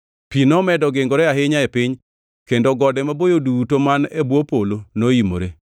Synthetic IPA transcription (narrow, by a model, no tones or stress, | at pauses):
pinɔmɛdɔɡɪŋɡɔɾɛaɦɪɲaepɪɲ | kendoɡɔdɛmabojodutomanebwopolonoimo̰ɾe